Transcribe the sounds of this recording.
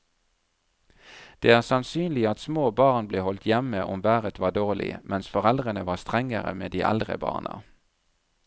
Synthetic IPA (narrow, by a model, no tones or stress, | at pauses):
d̪̥eːæːʁsɑnsyːnlɪɑt̪smoːbɑːʁnbleːhɔlt̪ʰjɛməʔɔmʋæːʁət̪ʰʋɑːd̪oːʁlɪ̰mɛnsfɔʁɛld̪ʁənəʋɑːst̪ʁɛŋəʁə̰meːd̪iːʔɛ̰ld̪ʁə̰bɑ̰ːʁnɑ̰